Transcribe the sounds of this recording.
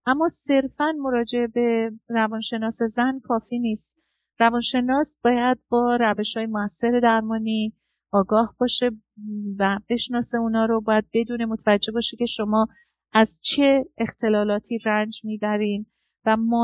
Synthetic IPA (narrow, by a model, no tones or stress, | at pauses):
ʔæmːɒːse̞ɾfænmo̞ɾɒːd͡ʒe̞ebe̞rævɒːnʃe̞nɒːse̞zænkʰɒːfiːniːst̪ | rævɒːnʃe̞nɒːsb̥ɒːjæd̪̚bɒːɾæve̞ʃhɒːjemoæsːe̞ɾe̞d̪æɾmɒːniː | ɒːɡɒːhbɒːʃe̞ | væbe̞ʃnɒːse̞uːnɒːɾo̞bɒːjæd̪̚be̞d̪uːne̞mo̞t̪ʰævæd͡ʒːe̞bɒːʃece̞ʃo̞mɒː | æz̥t͡ʃʰe̞ːxt̪ʰe̞lɒːlɒːt̪ʰiːrænd͡ʒmiːbæɾiːn | væmɔ